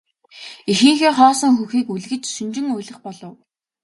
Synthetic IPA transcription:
ixĭːŋxeːχɔːsɞ̆ŋxuxiːkuɮɣɘ̆t͡ɕsɵnt͡ɕɪ̆ŋujɮə̆χpɔɮɞ̆w

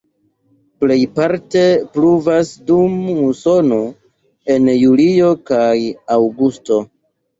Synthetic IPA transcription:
ple̞jpaɾte̞pluvasdumuso̞no | e̞njulio̞kajawɡusto̞

